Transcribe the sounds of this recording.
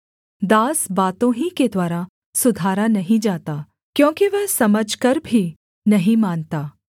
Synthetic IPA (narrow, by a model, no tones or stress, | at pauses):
d̪aːsbaːt̪õɦĩked̪ʋaːɾa | sʊd̪ʱaːɾanɐɦĩd͡ʒaːt̪aː | kjõːkiʋɛɦsɐməd͡ʒʱkɐɾbʱi | nɐɦĩmaːnt̪aː